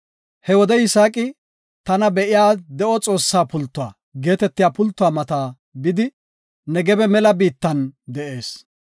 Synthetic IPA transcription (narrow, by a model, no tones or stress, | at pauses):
hɛwɔd̪ɛɪsaːkʼɪ | t̪ɐnɐbɛʔɪjaːd̪ɛʔɔt͡sʼo̞ːsːaːpʊlt̪ːʊa̰ː | ɡe̞ːt̪ɛt̪ːɪjaːpʊlt̪ːʊwaːmɐt̪aː | bɪd̪ɪ | nɛɡɛbɛmɛlɐbiːt̪ːɐnd̪ɛʔe̞ːs